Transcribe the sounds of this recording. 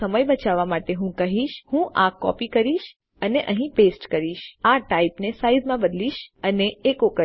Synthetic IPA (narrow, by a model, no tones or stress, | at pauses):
əməjbət͡ʃaʋːamaʈeɦũkəɦiʃhũʔakɔ̰pikəɾiʃ | əneʔəɦĩpesʈkəɾiʃaʈaipnesaizmãbəd̪liʃəneekokə